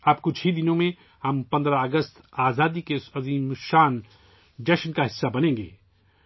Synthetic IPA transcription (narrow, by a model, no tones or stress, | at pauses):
aːpkʊt͡ʃʰɦid̪ɪnõmẽ | hɐmpɐ̃nd̪ɾaɐɡəst̪aːzaːd̪ikeɐziːmʃaːn | d͡ʒɛʃnkaɦɪsːabɐnẽːŋɡḛː